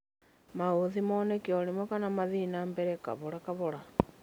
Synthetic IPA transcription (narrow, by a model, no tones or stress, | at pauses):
maoðimɔːnɛkiɔɾimwɛkanamaðinambɛɾɛka̰βɔɾakaβɔɾa